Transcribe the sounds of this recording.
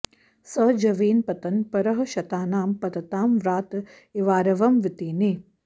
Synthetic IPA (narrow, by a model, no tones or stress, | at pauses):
sɐd͡ʒɐʋiːnpɐt̪ɐnpɐɾɐɦɐʃɐt̪aːnaːmpɐt̪ɐt̪aːmʋɾaːt̪ | iʋaːɾɐʋɐmʋit̪iːneː